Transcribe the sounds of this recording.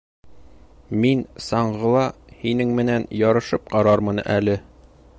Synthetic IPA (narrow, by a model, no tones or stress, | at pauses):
minsɑɴʁɤ̆lˠɑhinɘŋmɘ̆nænjɒɾɤ̆ʃɤp̚qɑɾɑɾmɤ̆nʔælɘ